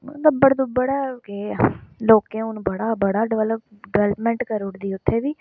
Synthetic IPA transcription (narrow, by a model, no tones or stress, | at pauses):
d̪əbəɽd̪ʊbəɽaːkeloːkẽːʊnũbəɽaːbəɽaːɖɪʋɛləpɖɪʋɛːlpmɛ̃ːɳʈkəɾʊɽd̪iːʊt̪ʰːeːʋiː